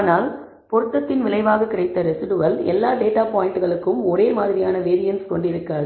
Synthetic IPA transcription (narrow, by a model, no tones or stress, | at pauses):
aːnaːl | pɔɾɯt̪ːɐt̪ːɪnʋɪlɐɪʋaːɣɐkːɪɾɐɪt̪ːɐɾɛsɪɖɯʋɐlɛ̰lːaːɖeːʈaːpaːjɪɳʈɯɣɐɭɯkːɯmɔɾeːmaːðɪɾɪjaːnɐʋeːɾɪjɐnskɔɳɖɪɾɯkːaːðɯ